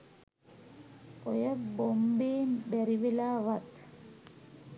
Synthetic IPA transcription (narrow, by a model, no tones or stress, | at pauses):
ojəbombeːmbæɾibelaːʋat̪